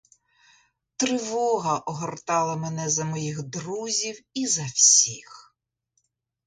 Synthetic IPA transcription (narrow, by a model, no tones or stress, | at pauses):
t̪ɾɪʋɔɦɐʔɔɦɔrt̪ɑlˠɐmenɛzɐmɔjiɣd̪ɾuzʲiwizɐwsʲix